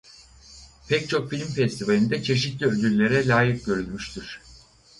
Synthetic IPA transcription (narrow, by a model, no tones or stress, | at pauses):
pʰɛct͡ʃʰo̞kfilʲmfɛst̪ʰivalʲind̪ɛt͡ʃʰe̞ʃ̬it̪lʲiød̪ylʲlʲe̞ɾɛlʲaːjik̚ɟø̞ɾylʲmyʃt̪ʰiɾ̥